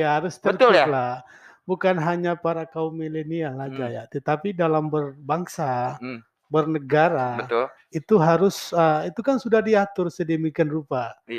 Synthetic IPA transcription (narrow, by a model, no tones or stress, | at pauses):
jaɦaɾʊst̪əərt̪ila | bukanɦaɲapaɾakaumeleniaad͡ʒajat̪ət̪apidalambərbaŋsa | bərnəɡaɾaət̪ | it̪uɦaɾʊsəit̪ukansudahdiat̪ʊrsədemikanrupa